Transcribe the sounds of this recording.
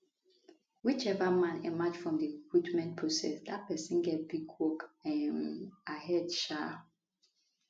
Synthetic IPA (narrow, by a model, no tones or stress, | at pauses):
wit͡ʃɛvamãnɛmat͡ʃfɹɔ̃mdiekwitmɛ̃nt̚pʰɹosɛ̰sdat̚pɛsĩnɡɛt̚biɡwɔkɛ̃nahɛdʃa